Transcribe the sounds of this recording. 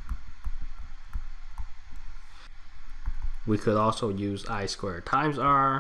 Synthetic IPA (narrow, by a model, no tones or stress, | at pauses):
wikʰɨɾɔlˠsoʊjʉza̰ɪskwɛɹtʰãɪ̃mzə